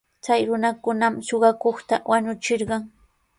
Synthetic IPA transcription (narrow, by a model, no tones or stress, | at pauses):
t͡sajɾʊnakʊnamsoɢɑkoχt̪awaɲʊt͡ʃɪɾɢɑŋ